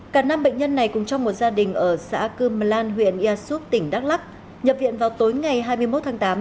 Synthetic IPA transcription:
kaː˧˩na˧mɓə̰˧˨ŋ̟ɲə˧nːa˨˩jkʊ̰˨˧˩ŋ͡mt͡ɕɔ˧wŋ͡mmo˨˩t̚zaː˧ɗï˨˩ŋ̟ʔəː˧˩sa̰ː˧˥kɨ˧ma˨˩laː˧nɦwḭ˧˨ənʔi˧aː˧su˦˥ək̚t̪ï˧˩ŋ̟ɗa˦˥k̚la˦˥k̚ | ɲə˨˩p̚vḭ˧˨ənvaː˨˩wt̪o˨˦jŋa˨˩jɦaː˧jmɨ˧əjmo˦˥t̪̚ʰaː˨˦ŋt̪aː˨˦m

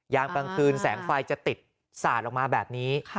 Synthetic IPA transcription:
jaː˧ŋka˧ŋkʰɯː˧nsɛ̰ː˩˦ŋfa˧jt͡ɕa˨˩t̪i˨˩t̪̚ | saː˨˩t̪̚lɔː˨˩kmaː˧bɛː˨˩p̚niː˦˥

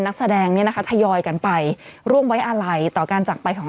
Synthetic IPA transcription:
nːa˦˥k̚sa˧dɛː˧ŋni˦˥˩ɐna˦˥a˦˥t̪ʰa˧jɔː˧jka˧npa˧jɾu˥˩mwa˦˥jʔa˧ɾa˧jt̪ɔː˨˩kaː˧nt͡ɕaː˨˩pa˧jkʰɔː˩˦

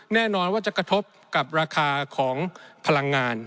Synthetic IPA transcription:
nɛː˥˩nɔː˧nwaː˥˩t͡ɕa˨˩kɾa˧t̪ʰo˦˥p̚ka˨˩p̚ɾaː˧kʰaː˧kʰɔː˩˦ŋpʰa˧la˧ŋːaː˧n

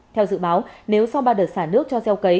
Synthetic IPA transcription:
t̪ʰɛ˧wzɨ̰˧˨ɓaː˨˦wne˨˦wsɔ˧wɓaː˧˩ɗəː˨˩t̚saː˧˩nɨ˦˥ək̚t͡ɕɔ˧zɛ˧wkə˨˦j

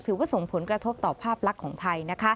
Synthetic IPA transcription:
t̪ʰɯː˩˦waː˥˩so˨˩ŋpʰo˩˦nkɾa˧t̪ʰo˦˥p̚t̪ɔː˨˩pʰaː˥˩p̚la˦˥kʰːɔː˩˦ŋt̪ʰa˧jna˦˥kʰa˦˥

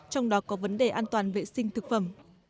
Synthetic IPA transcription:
t͡ɕɔ˧wŋ͡mɗɔ˨˦kɔ˨˦və˨˦nɗe˧˨˩ʔaː˧nt̪waː˨˩nvḛ˧˨sï˧ŋt̪ʰɨ˨˩k̚fə˧˩m

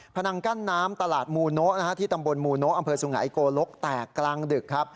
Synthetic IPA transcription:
pʰa˧na˧ŋka˥˩nːaː˦˥mt̪a˧laː˨˩t̪̚muː˧no˦˥ʔna˥a˦˥t̪ʰiː˥˩t̪a˧mbo˧nmuː˧no˦˥ʔa˧mpʰɤː˧su˨˩˦ŋa̰˩˦jkoː˧lo˦˥k̚t̪ɛː˨˩kːlaː˧ŋdɯ˨˩kʰːa˦˥p̚

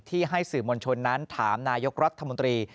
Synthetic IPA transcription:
t̪ʰiː˥˩ɦa˥˩jsɯː˨˩moː˧nt͡ɕʰo˧nːa˦˥nt̪ʰaː˩˦mnaː˧jo˦˥k̚ɾa˦˥t̪ʰːa˧mo˧nt̪ɾiː˧

